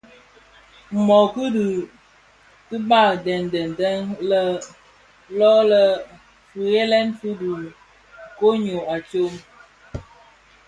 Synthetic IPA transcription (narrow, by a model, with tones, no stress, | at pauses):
m̩˨mɔ˨ku˦du˨ | ki˦ba˦˨dɛ˨n˨dɛ˨n˨tɛ˦nlə˦ | lɔ˦lə˦ | fu˨ɣe˦lɛ˦nfu˦du˨ | ko˦ɲo˨a˨t͡ʃo˦m